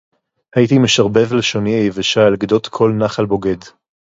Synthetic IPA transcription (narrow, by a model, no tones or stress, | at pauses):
hajit̪imeʃaʁbe̞vleʃoniajevaʃalɡd̪ot̪kʰo̞lnaχalbo̞ɡe̞d̪